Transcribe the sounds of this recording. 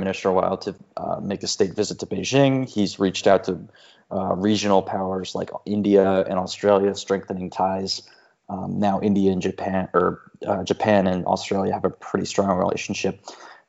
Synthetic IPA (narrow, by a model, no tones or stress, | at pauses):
mɪ̃nɨsə˞əwaɪlˠtʰɨ̰meɪkɨsteɪtv̥ɪzɨtʰɨbeɪʒɪ̃ŋizɹit͡ʃtaʊtʰɨ | ɹid͡ʒɨn̩l̩ˠpʰaʊə˞z̥la̰ɪkɪ̃ndiɨɨ̰̃nɔstɹ̥eɪlˠjɨstɹ̥ɛ̃ŋk̚θɨnɪ̃ŋtʰaɪz̥ | naʊʔɪ̃ndiɨɨ̃nd͡ʒɨpʰæ̃nə˞d͡ʒɨpʰæ̃nɨ̃nɔ̰stɹ̥eɪlˠjɨːvɨpʰɹ̥ɪɾḭstɹ̥ɔ̃ŋɹḭlʔḛɪʃn̩ʃɪp̚